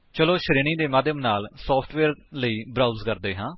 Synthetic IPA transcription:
t͡ʃəloːʃəɾeːɳ̃iːd̪eːmaːd̪ʱjəmnaːlsɔːpʰʈʰʋeːɾləiːbɾaːuzkəɾd̪eːɦãː

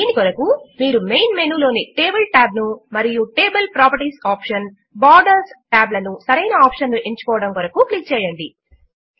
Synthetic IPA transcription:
d̪iːnikɔɾɐkumiːɾumejnmeːnuːlo̞ːniʈe̞ːbɐlʈaːb̚numɐɾijuʈe̞ːbɐlpɾaːpɐɾʈisaːpʂɐn | baːɾɖɐɾsʈaːblɐnusɐɾɐjnɐaːpʂɐnnuʔeɲt͡ʃɐ̥kɔːʋɐɽɐmkɔɾɐkuklik̚t͡ʃɛːjɐɳɖi

